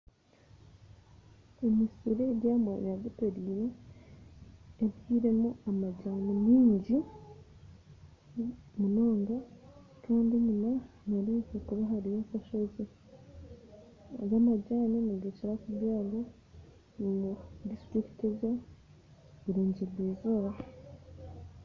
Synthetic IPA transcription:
emisiɾejaːmwa̰ɲaβiteɾiːɾe | βjiːɾe̞muamaɟaːnimiːɲɟi | muno̞ːŋɡa | tuːndiɲuma | naɾikekuβaɦaɾijasaʃozi | ɡamaɟaːnenaɡeceɾakuβjaːɡo | mudistɾiki̥teza | βiɾoːɲɟeβwiːzoɾa

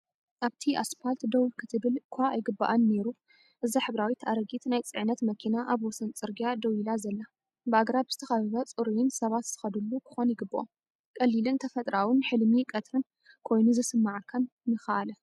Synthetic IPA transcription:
ʔaβt̪ʰiʔasfalt̪d̪ɐwikʰɨt̪ʰɨβɨlkʷʰaːjɡɨbːaʔanːe̞ɾu | ʔɨzaħɨβɾawit̪ʰʔaɾɐɡit̪najt͡sʼɨʕnɐt̪mɐkʰinaʔaβwɔsɐnt͡sʼɨɾɡijad̪ɐwilazɐlːa | bɨaɡɾabz̥ɨt̪ʰɐxɐβɨβɐt͡sʼɨɾujɪnsɐβat̪z̥ɨ̥xɐd̪ɨlːukʰɨ̥xonjɪɡɨbːoʔo̰m | kʼɐlːilɨnt̪ʰɐfɐt̪ʼɾawɨnħɨlmikʼɐt̪ʰɾɨn | kʰo̞jnuzɨsɨmːaʕkʰːɐnːɨxaʔalɐ

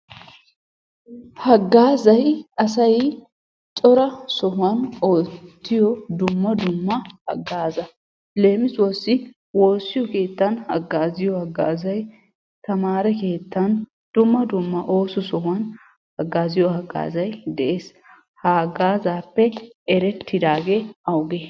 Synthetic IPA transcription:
hɐɡːaːzɐjɐsɐj | t͡ʃʼɔɾɐsɔɦʊwɐnoːtt̪ːɪjɔd̪ʊmːɐd̪ʊmːɐhɐ̰ɡːaːzɐ | le̞ːmɪswɔsːɪ | wo̞ːsːɪjɔke̞ːt̪ːɐnhɐ̰ɡːaːzɪjɔhɐɡːa̰ːzɐj | t̪ɐmaːɾɛke̞ːt̪ːɐn | d̪̥ʊmːɐd̪ʊmːɐʔo̞ːsɔsɔhɐn | hɐɡːaːzɪjɔhɐɡa̰ːzɐjd̪ɛʔeːs | haɡaːzaːpːɛɛɾɛt̪ːɪd̪aːɡeːɐwɡɛ

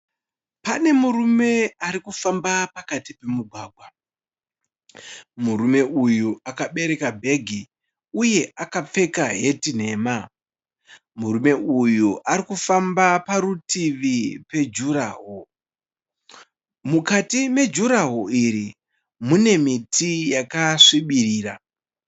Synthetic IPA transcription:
pane̞muɾume̞aɾikufambapakatipe̞muɡʱwaːɡʱwa | muɾume̞ʔujuakaɓe̞ɾe̞kabʱe̞ɡʱi | uje̞ʔakap͡fe̞kaɦe̞tin̤e̞ːma | muɾume̞ʔujuʔaɾikufambapaɾutiʋipe̞d͡ʒuɾaːɦo | mukatime̞d͡ʒuɾaɦoiɾi | mune̞mitijakaʂiɓiriːra

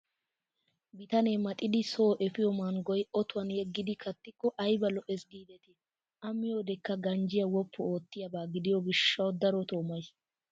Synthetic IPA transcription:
bɪt̪ɐneːmɐt̪ʼɪd̪ɪsoːʔɛfɪjɔmanɡɔjʔɔt̪ʊwɐnjɛɡːɪd̪ɪkʰɐt̪ːɪkːɔʔɐjbɐlɔʔɛsɡiːd̪ɛt̪ɛ | ʔɐmːɪjoːd̪ɛkːɐɡɐnd͡ʒɪjɐwɔpːʊoːt̪ːɪjɐbaːɡɪd̪ɪjɔɡɪʃːɐwd̪ɐɾɔt̪o̞ːmɐjs

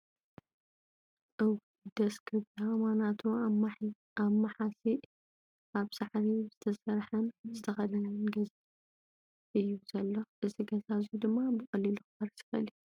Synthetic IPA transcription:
ʔɨw | d̪ɐskʰɨβamanat̪ʰu | amɐħasi | aβsaʕɾizɨt̪ʰɐsɐɾħɐnzɨt̪ʰɐxɐlɐnɐnɡɐza | ʔɨjːuzɐlːɐʔɨziɡɐzazud̪ɨmːabɨkʼɐlːiluxɨbɐɾsʰɨ̥fɐli

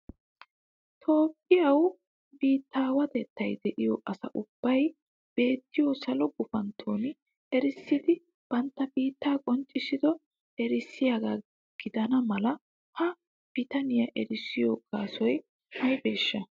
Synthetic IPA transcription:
t̪ʰo̞ːpːɪjɐw | biːt̪ːaːwɐd̪ɛt̪ːɐjd̪ɛʔɪjo̰ːʔɐsɐ̰ʔʊb̥ːɐj | b̥e̞ːt̪ːɪjosɐlɔɡʊfɐnt̪ʰːoːn | ɛɾɪsːɪd̪ɪ | b̥ɐnt̪ːɐbiːt̪ːaːkʼɔnt͡ʃʼːɪsɪd̪ɔ | ɛɾɪsːɪjaɡaː | ɡ̥ɪd̪ɐnɐmɐlɐ | hɐ | b̥ɪt̪ɐnɪjɐʔɛɾɪsːɪjoːkʼaːsɔj | hɐjbe̞ːʃːɐ

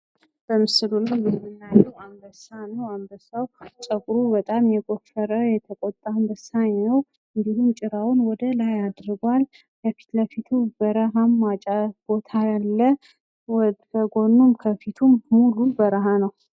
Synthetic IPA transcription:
b̥əmɨsɨlulajlɨhmɨnːaɲːɛwambəsanəwambəsawt͡ʃʼəkʼɾubət̪ʼamjɛɡo̞fəɾəjɛt̪ʰəkʼɔt̪ʼːambəsaɲːəw | ɨnd̪ihumt͡ʃʼɪɾawnwɔd̪əlajad̪ɾɨɡwal | kəfi̥t̪ləfit̪ʰubəɾəɦamːat͡ʃʼab̥o̞t̪ʰajalːə | əɡonːumkʰəfit̪ʰumːulubəɾaɦanəw

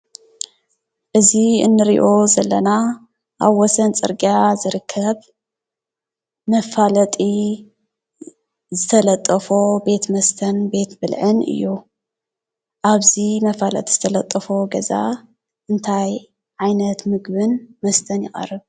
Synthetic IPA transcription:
ʔɨziɨ̰nːɨɾḭʔo̞zɐlːɐna | ʔaβwɔsɐnt͡sʼɨ̰ɾɡiazɨɾɨkʰːɐβ | mɐfalɐt̪ʼi | zɨt̪ʰɐlɐt̪ʼːɐfobe̞t̪mɐst̪ʰɐnbe̞t̪bɨlʕɨnɨ̰jːu | ʔaβzimɐfalɐ̰t̪ʼi̥zɨt̪ʰɐlɐt̪ʼːɐfo̞ɡɐza̰ | ʔɨnt̪ʰaj | ʕajnɐt̪mɨɡbɨnmɐst̪ʰɐnjɪχʼɐ̰rːɨβ

